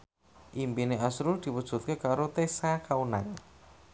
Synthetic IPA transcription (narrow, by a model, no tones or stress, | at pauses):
ʔimpineasɾurd̪̥i̤wud̥ʒ̥ṳt̪̚kekaɾot̪esakaunaŋ